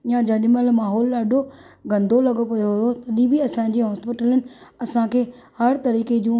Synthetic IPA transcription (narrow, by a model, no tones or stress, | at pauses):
ɪjãd͡ʑɐɗɪməlmaːɦɔːlɗaːɖʱo | ɡɐ̃nd̪ʱolɐɠopɐjoɦʊot̪ɐɗĩbiɐsãɲ̆d͡ʑiːɦɔːspɪʈələnɪ̆ɐsãkʰeː | hɐɾt̪ɐɾiːked͡ʑũː